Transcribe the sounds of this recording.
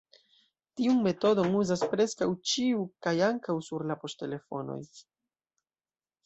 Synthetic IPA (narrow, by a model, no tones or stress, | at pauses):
tiunme̞to̞do̞ŋuzaspɾe̞skawt͡ʃiukajaŋkawsuɾlapo̞ste̞le̞fo̞̰no̞̰j